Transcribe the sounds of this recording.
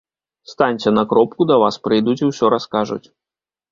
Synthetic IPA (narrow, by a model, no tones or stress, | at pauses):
st̪anʲt͡sʲɛnɐkɾɔp̚kud̪ɐvaspɾɨjd̪ut͡sʲiwsʲɔɾaskaʐṵt͡sʲ